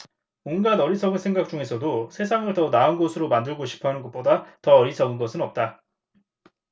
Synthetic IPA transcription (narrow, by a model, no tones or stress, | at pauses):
mʌnɡanʌɾisʰʌɡɯnsʰe̞ŋɡak̚t͡ɕ͈uŋe̞sʰʌdosʰe̞sʰaŋɯɭtʌnaɯnɡosʰɯɾomandɯɭɡoɕʰi̥pʰʌnɯnɡʌt̚p͈odatʌʌɾisʰʌɡɯnɡʌsʰɯnʌp̚t͈a